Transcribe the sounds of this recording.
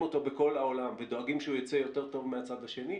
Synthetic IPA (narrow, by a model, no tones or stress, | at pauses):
ot̪o̞beko̞laolamved̪o̞aɡimʃeujot͡sejo̞t̪e̞ʁt̪o̞vmeat͡sad̪aʃe̞ni